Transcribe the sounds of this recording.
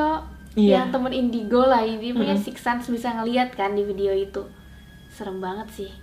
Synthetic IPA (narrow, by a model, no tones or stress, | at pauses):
o | jaŋt̪əmənindiɡolaidipuɲasiksansbisaŋəliat̪̚kandifideoit̪u | səɾəŋbaŋət̪̚sɪh